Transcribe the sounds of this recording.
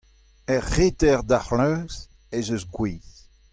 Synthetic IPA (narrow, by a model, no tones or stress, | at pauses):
ɛʁːet̪ɛʁd̪aχlœːz | ezøsɡwiːz